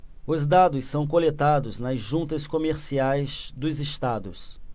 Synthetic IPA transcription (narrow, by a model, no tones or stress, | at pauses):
ʊzd̪ad̪ʊssɐ̃w̃kolet̪ad̪ʊznɐzʒũnt̪ɐskomeɾsiajzd̪ʊzɪst̪ad̪ʊs